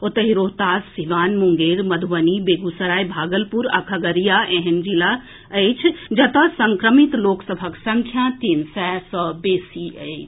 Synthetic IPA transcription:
ot̪əɦiɾoɦt̪asːiʋanmuŋɡeɾməd̪ʱuʋənibeɡusəɾajbʱaɡəlpuɾa̰kʰəɡəɾijaʔẽɦend͡ʒila | əjt͡ʃʰd͡ʒət̪əsəŋkɾəmit̪loksəbʱəksəŋkʰjat̪insɛsəbesiə

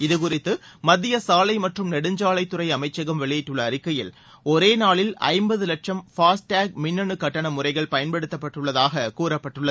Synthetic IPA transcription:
ɪðɯkʊrɪt̪ːɯmɐðɪjɐsaːlɐɪmɐʈrɯmnɛɽɯɲd͡ʒaːlɐɪt̪ːɯrɐɪɐmɐɪt͡ʃːɐɣɐmʋɛɭɪjɪʈːɯɭːɐːɾɪkːɐjɪ̰l | ɔɾeːnaːɭɪlɐ̰ɪmbɐðɯlɐʈ̚ʂɐmfaːsʈaːɡ̚mɪnːɐɳɯkɐʈːɐɳɐmʊrɐɪɣɐɭpɐjɐnpɛɽɯt̪ːɐpːɐʈːɯɭːɐðaːɣɐkuːrɐpːɐʈːɯɭːɐð

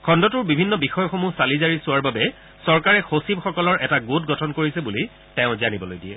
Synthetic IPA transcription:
kʰɔndɔtʊɹbibʱinːɔbixɔjɔxomusalizaɹisʊwaɹbabɛ | sɔɹkaɹɛxosib̚xɔkɔlɔɹʔɛtaɡutɡɔtʰɔnkoɹisɛbuli | tɛʊ̃zanibɔlojdiɛ

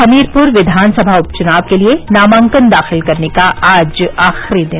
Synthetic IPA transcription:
ɐmiːɾpʊɾʋɪd̪ʱaːnsɐbʱaʊpt͡ʃʊnaːʋkelienaːmãːŋkənd̪aːxɪlkɐɾnekaʔaːd͡ʒaːxɾid̪ɪn

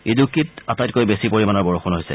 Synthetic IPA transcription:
idukitatajtkojbesipoɹimanɔɹbɔɹoxunɦojsɛ̰

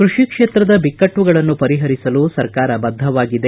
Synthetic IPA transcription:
kɾuʂikʂeːt̪ɾɐd̪ɐbikːɐʈʋuɡɐɭɐnːupɐɾiɦɐɾisɐlusɐɾkaːɾɐbɐd̪ʱːɐʋaːɡid̪e̞

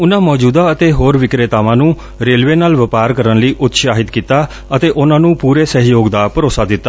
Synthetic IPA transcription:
ʊnãːmɔːd͡ʒuːd̪aːət̪eːɦoːɾʋɪkɾeːt̪aːʋãːnũː | ɾeːlʋeːnaːlʋəpaːɾkəɾənləiːʔʊt̪ʃaːɦɪt̪kiːt̪aː | ət̪eːʔʊnãːnũːpuːɾeːsəɦjoːɡd̪aːpəɾoːsaːd̪ɪt̪ːa

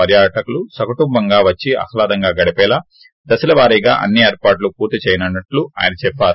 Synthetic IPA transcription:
ɐɾjaːʈɐkulusɐkuʈumbɐŋɡaːʋɐt͡ʃːiɐ̰kʰɐlaːd̪ɐŋɡaːɡɐɽipɛːlaː | d̪ɐsilɐʋaːɾijɡa̰ːʔɐ̰nːieːɾpaːʈ̬lupuːɾt̪it͡ʃɛːjɐnɐnːɐʈlua̰ːjɐnɐt͡ʃɛpːaːɾu

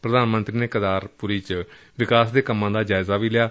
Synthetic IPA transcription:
pɾəd̪aːnmənt̪ɾiːneːkəd̪aːɾpʊɾiːt͡ʃə | ʋɪkaːsd̪eːkəmːãːd̪aːd͡ʒaːɪzaːʋiːlɪjaː

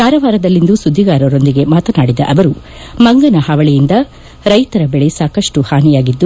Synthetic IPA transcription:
kaːɾɐʋaːɾɐd̪ɐlːind̪usud̪ʱːiɡaːɾɐɾo̞nd̪iɡe̞maːt̪ɐnaːɽid̪ɐ̰ʔɐʋɐɾu | mɐŋɡɐnɐhaːʋɐɭijind̪ɐ | ɾɐjt̪ɐɾɐbɛɭesaːkɐʂʈuhaːnijaːɡid̪ːu

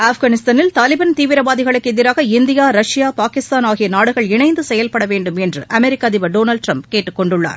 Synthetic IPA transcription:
aːfɣaːnɪst̪aːnɪlt̪aːlɪbɐnt̪iːʋɪɾɐbaːðɪɣɐɭɯkːɛðɪɾaːɣɐɪnd̪ɪjaːɾɐʂɪjaːpaːkɪst̪aːnaːɣɪjɐnaːɽɯɣɐɭɪɳɐɪnd̪ɯsɛjɐlpɐɽɐʋeːɳɖɯmɛndrɯʔɐmɛɾɪkːaːðɪbɐɖoːnɐlɖʈɾɐmpkeːʈːɯkːɔɳɖɯɭːa̰ːɾ

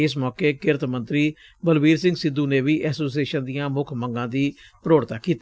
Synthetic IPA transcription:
ɪs̬mɔːkeːkɪɾt̪mənt̪ɾiː | bəlʋiːɾsɪ̃ŋɡsɪd̪uːneːʋiːʔɛːsoːs̬ieːʃənd̪ɪjãːmʊkʰməŋɡãːd̪iː | pɾoːɽt̪aːkiːt̪

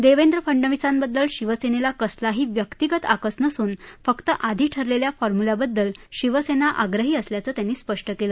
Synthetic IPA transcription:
d̪eʋend̪ɾəpʰəɳɖəʋisambəd̪ːəlɕiʋəsenelakəslaɦiːʋjəkt̪iɡət̪akəsnəsuːnfəkt̪əʔad̪ʱiːʈʰəɾleljafɔɾmulabəd̪ːəlɕiʋəsenaʔaɡɾəɦiːəsljat͡səːt̪janːiːspəʂʈəkeləː

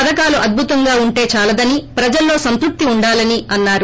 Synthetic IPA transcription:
ɐd̪ɐkaːluʔɐd̪̚bʱut̪ɐŋɡaːuɳʈe̞ːt͡ʃaːlɐd̪ɐnipɾɐd͡ʒɐlːo̞ːsɐnt̪uk̚t̪iuɳɖaːlɐniɐnːaːɾu

